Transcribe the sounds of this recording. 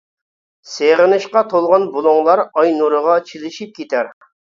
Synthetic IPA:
seʁɪnɨʃqɑt̪ʰolˠʁɑnbolˠʊŋlˠɑɾɑjnuɾəʁɑt͡ʃʰilɪʃip̚kʲʰet̪ʰæɾ

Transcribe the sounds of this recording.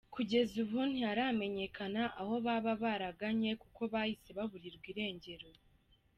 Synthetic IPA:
kʰuɟe̞zuβuːndiaɾame̞ɲe̞kʰanaʔaho̞βaβaβaɾaɡaɲe̞kuko̞βahise̞βaβuɾiɾɡwiːɾe̞ːɲɟe̞ɾo̞

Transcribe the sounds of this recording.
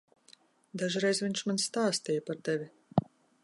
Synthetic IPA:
d̪aʒiɾɛjzviɲʃmansːt̪aːst̪ijəpaɾt̪ɛvʲi

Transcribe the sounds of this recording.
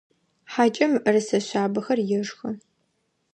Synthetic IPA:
ħaːt͡ʃʼɐmʔɨrɨsɐɕʷaːbɐxɐrjɪʐxɐ

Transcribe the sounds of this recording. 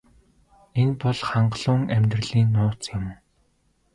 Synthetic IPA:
enpɔɮχaɴɢɮ̥ʊːŋæmʲt̪rə̆ɮiːnːʊːt͡sjɪm

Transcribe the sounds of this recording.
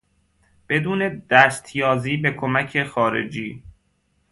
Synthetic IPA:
b̥e̞d̪uːne̞d̪̥æst̪ʰjɒːziːbekʰomæcʰexɒːɾḛd͡ʒiː

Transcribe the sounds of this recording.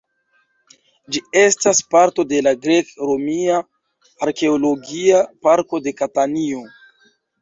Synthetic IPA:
d͡ʒie̞staspaɾto̞de̞laɡɾe̞kɾo̞miaː | ɾke̞olo̞ɡiapaɾko̞de̞katanio̞

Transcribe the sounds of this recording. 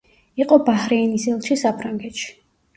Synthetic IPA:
iqʼɔbahɾɛːnisɛlˠʃisapʰɾaŋɡɛt̪ʃi̥

